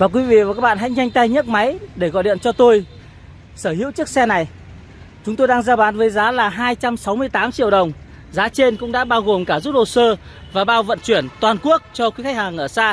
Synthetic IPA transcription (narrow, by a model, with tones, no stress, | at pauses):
vaː˨˩kwi˨˦vḭ˧˨vaː˨˩kaː˦˥ɓa̰ː˧˨ɦa̰˧˥jɲa˧jŋ̟t̪a˧jɲə˦˥t̚ma˨˦jɗe˧˩ɣɔ̰˧˨jɗḭ˧˨ənt͡ɕɔ˧t̪o˧j | səː˧˩hḭ˧˥wt͡ɕɨ˦˥ək̚sɛ˧na˨˩j | t͡ɕʊ˨˦ŋ͡mt̪o˧jɗaː˧ŋzaː˧ɓaː˨˦nvəː˨˦jzaː˨˦laː˨˩ɦaː˧jt͡ɕa˧msa˨˦wmɨ˧əjt̪aː˨˦mt͡ɕi˧˨əwɗə˨˩wŋ͡m | zaː˨˦t͡ɕe˧nkʊ̰˧˥ŋ͡mɗa̰ː˧˥ɓaː˧wɣo˨˩mkaː˧˩zu˦˥p̚ɗo˨˩səː˧ | vaː˨˩ɓaː˧wvə̰˧˨nt͡ɕwi˧˩ənt̪waː˨˩nku˦˥ək̚t͡ɕɔ˧kwi˨˦xa˦˥k̚haː˨˩ŋʔəː˧˩saː˧